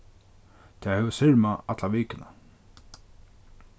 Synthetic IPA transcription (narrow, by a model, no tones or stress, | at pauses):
t̪ʰɛːhɛʋəsɪɹmaat̪laʋiːkɪna̰